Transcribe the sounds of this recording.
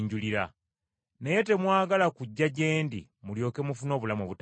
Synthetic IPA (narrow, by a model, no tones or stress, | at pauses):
ɲɟuliɾa | ne̞je̞te̞mwaːɡalakuɟːaɟe̞ːndḭ | muljo̞ːke̞mufuno̞ːβulamoβut